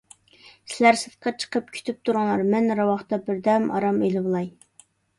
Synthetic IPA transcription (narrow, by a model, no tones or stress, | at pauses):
sɪlæɾsɨt̪qʰɑt͡ʃʰə̥qʰəp̚kʲʰy̥t̪ʰyp̚t̪ʰuɾʁɑlˠɑɾmɛnɾɑwɑχt̪ɑbɪɾd̪ɛmɑ̰ɾɑmelɨblˠɑj